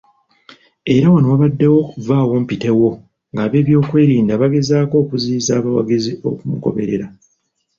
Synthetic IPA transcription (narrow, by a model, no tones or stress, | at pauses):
e̞ɾawanowaβadːe̞wo̞kuvaːwo̞ːmpite̞wo̞ | ŋɡaːβe̞ːβjo̞ːkwe̞ːɾiːndaβaɡe̞zaːko̞ːkuziːzaːβawa̰ɡizio̞̰kumuko̞̰βe̞̰ɾe̞̰ɾa